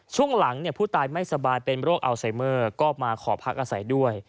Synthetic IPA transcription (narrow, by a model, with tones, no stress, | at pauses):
t͡ɕʰu˥˩əŋla˩˦ŋni˥˩ɐpʰuː˥˩t̪aː˧jma˥˩jsa˧baː˧jpe˧nɾoː˥˩k̚ʔa˧wsa˩˦jmɤː˥˩kɔː˥˩p̚maː˧kʰɔː˩˦pʰa˦˥k̚ʔaː˧sa˩˦jdu˥˩əj